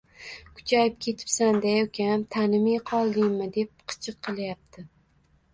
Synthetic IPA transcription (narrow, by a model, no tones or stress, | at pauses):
kʰʊ̥t͡ʃʰajɪp̚kʲʰe̞t̪ʰɪ̥psand̪ajokʲaamt̪ʰanɪmɪqʰɒlˠd̪ɪŋmɪd̪e̞p̚qʰɨ̥t͡ʃʰɨqʰːɨlˠjap̚t̪ʰɪ